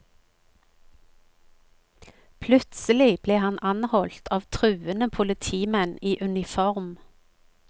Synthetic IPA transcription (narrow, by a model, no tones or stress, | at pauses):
pʰlʉt̪səlɪb̥leːhɑnʔɑnhɔlt̪ʰɑːʋt̪ʰʁʉːənəpʰʊlət̪ʰiːmɛniːʔʉnɪfɔʁm